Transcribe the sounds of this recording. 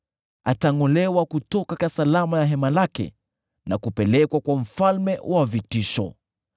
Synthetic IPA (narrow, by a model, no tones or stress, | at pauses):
ataŋɔlɛwakutɔkakasalamajaɦɛmalakɛ̰ | nakupɛlɛkwakwam̩falmɛwʔavitiʃɔ̰